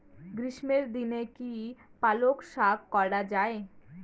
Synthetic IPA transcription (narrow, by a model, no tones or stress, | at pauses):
ɡɾiʃmeɾd̪inekipalokʃabkɔɽad͡ʑae